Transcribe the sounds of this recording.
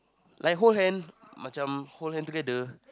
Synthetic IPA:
lʔajk̚ɦolhɛn | mat͡ʃamholɦɛ̃nt̪ukɛdə

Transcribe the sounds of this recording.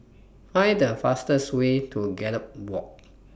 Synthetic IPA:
fãjdəfastəswetʰuɡɛləp̚wɔk̚

